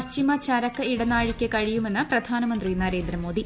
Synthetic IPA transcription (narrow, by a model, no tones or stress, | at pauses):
t͡ɕimɐt͡ɕɐɾɐkːɨiɽɐnːaːɻikʲːɨkɐɻijume̞nːɨprɐd̪ʱaːnɐmɐnd̪rinɐɾe̞ːnd̪ɾɐmoːd̪i